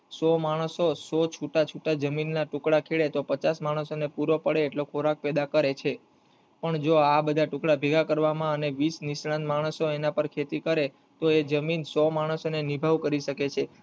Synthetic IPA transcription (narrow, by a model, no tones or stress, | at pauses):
sɔmaɽ̃əsosɔt͡ʃʰuʈat͡ʃʰuʈad͡ʒəminːaʈʊkɽakʰeɭet̪opət͡ʃasmaɽ̃əsonepuɾopəɽeːʈlokʰoɾak̚pɛd̪akəɾet͡ʃʰe | pəɳd͡ʒoabəd̪ʱaʈʊ̃kɽabʱiɡʱakəɾʋamãəneʋisnisɽãnmaɽ̃əsoenapəɾkʰet̪ikəɾe | t̪oed͡ʒəminsɔmaɽ̃əsonenibʱaʋkəɾiʃəket͡ʃʰe